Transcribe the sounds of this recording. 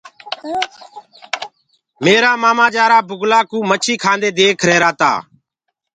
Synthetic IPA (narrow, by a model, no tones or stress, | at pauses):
meːɾaːmaːmãːd͡ʒaːɾaːbʊɡlaːkũːmət͡ʃʰiːkʰãːnd̪eːd̪eːkʰɾeːɾaːt̪a̰ː